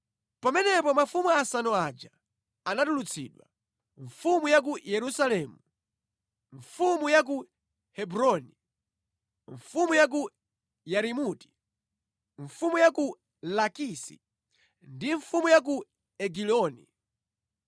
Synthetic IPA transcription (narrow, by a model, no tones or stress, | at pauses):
pamɛnɛpɔmafumuasanɔad͡ʒa | anatulut͡sʰḭɗwa̰ | ɱfumujak̬ujɛɾusalɛːmu | ɱfumujak̬u | hɛbɾɔni | ɱfumujak̬u | jaɾimuti̥ | ɱfumujaku | lakisḭ | ndiɱfumujak̬u | ɛɡilɔːnḭ